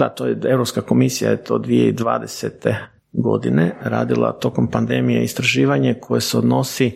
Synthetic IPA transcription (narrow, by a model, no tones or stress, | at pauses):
d̪at̪oːjee̞vɾopskako̞misija̰jet̪o̞ːd̪ʋije̞id̪ʋa̰ːd̪eset̪e̞ | ɡo̞̰d̪ine̞ɾa̰ːd̪ilˠa̰t̪o̞ko̞mpand̪e̞mijḛist̪ɾaʒiːʋaɲakʰo̞jeseod̪no̞si